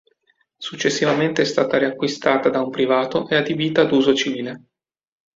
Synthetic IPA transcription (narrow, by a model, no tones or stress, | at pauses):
sut͡ʃːesːivament̪eɛst̪aːt̪aɾiakːwist̪aːt̪ad̪aumpɾivaːt̪oʔead̪ibiːt̪aːd̪uːzot͡ʃiviːle